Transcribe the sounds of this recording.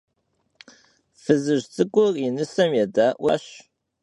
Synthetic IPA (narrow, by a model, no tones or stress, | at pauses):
fɨzɨʑt͡sʼɨkʷʼʊrinɨsɐmjɛdaʔʷwʔɐ̰ɕ